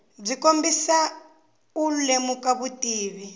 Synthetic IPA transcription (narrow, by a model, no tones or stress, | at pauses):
b͡ʐikombisa | ulemukaβutiːβi